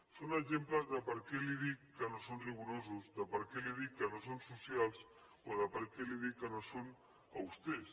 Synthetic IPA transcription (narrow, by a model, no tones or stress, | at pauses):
sonaʒemplazðəpaɾkeliðikːənosonriβuɾozuzðəpaɾkeliðikːənosonsusjalˠs | oðəpaɾkeliðikːənoson | awst̪es